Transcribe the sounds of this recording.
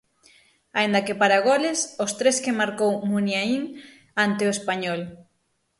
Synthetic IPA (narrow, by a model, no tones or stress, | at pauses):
aind̪ɐkepaɾaɣolesʊst̪ɾeskemaɾkowmunjaiŋ | ant̪ɪoespaɲɔl